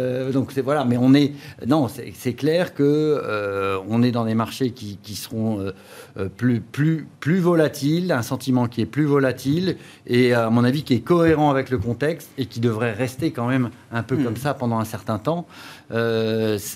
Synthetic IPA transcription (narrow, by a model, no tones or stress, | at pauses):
d̪ɔ̃ksɛvwalamɛɔ̃nɛnɔ̃sɛ̰sɛklɛʁkəøɔ̃nɛd̪ɑ̃d̪emaʁʃekʲikʲisə̥ʁɔ̃ø | plyplyplyvɔlat̪ʰilɛ̃sɑ̃t̪imɑ̃kʲiɛplyvɔlat̪il | eamɔ̃navikʲiɛkɔeʁɑ̃avɛkləkɔ̃t̪ɛkst̪ekʲid̪əvʁɛʁɛst̪ekɑ̃mɛm | ɛ̃pøkɔmsapɑ̃d̪ɑ̃ɛ̃sɛʁt̪ɛ̃t̪ɑ̃øs